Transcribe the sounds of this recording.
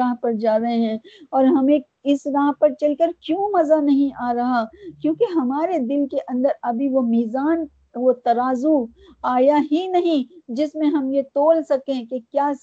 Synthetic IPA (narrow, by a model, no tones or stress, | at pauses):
aːɦpɐɾd͡ʒaːɾɐɦeɦɛ̃ːɔːɾɦɐmẽ | ɪsɾaːɦpɐɾt͡ʃɐlkəɾkjũːmɐzanɐɦĩʔaːɾɐɦakjõːkeɦɐmaːɾed̪ɪlkeʔɐ̃nd̪əɾɐbʱiʋomiːzaːn | ʋot̪ɐɾaːzu | aːjaɦinɐɦĩd͡ʒɪsmẽɦɐmjet̪oːlsɐkẽkekjaːs